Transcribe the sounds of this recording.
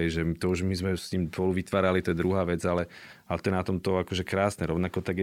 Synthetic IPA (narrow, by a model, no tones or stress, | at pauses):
ɛjʒɛmt̪ɔuʒmizmɛsɲiːmpɔluʋit̪ʋaːɾalit̪ɛd̪ɾuɦaːʋɛd͡zalɛ | alɛt̪ɔjɛnat̪ɔmt̪ɔakɔʒɛkɾaːsnɛɾɔʋnakɔt̪aɡ